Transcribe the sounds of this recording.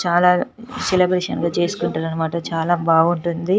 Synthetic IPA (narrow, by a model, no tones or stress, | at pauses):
t͡ʃaːlaːselɐbɾeːʂɐnɡaːt͡ʃe̞ːsu̥kuɳʈaːɾɐnːɐmaːʈɐt͡ʃaːlaːbʱaːɡuɳʈund̪i